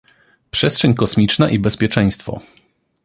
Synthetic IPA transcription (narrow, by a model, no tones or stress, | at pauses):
pʂɛstʂɛɲkɔsmʲit͡ʂnaʔibɛspʲjɛt͡ʂɛ̃j̃st̪fɔ̰